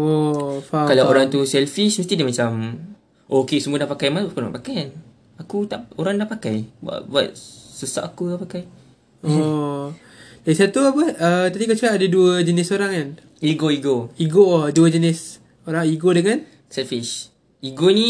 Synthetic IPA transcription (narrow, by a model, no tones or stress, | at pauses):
ofakalawoɾaŋt̪usɛlfiʃməst̪idəmat͡ʃam | ʔokesəmũənaʔpakajmaskuna̰ʔpakajan | akut̪aʔoɾaŋdaʔpakajba̰ʔ̚bua̰t̪̚susa̰ʔakuapakaj | o | dasat̪uapəət̪adikat͡ʃuaʔadaduəd͡ʒənisoɾaŋan | iɡoiɡoiɡoduəd͡ʒənɪs | oɾaŋiɡodəŋan | sɛlfiʃ | iɡonĩ